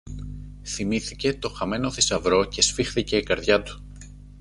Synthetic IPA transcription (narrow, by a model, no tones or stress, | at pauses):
θimiθice̞t̪o̞xɐme̞no̞θisɐvɾo̞ce̞sfixθice̞ːkɐɾðʝɐt̪u̥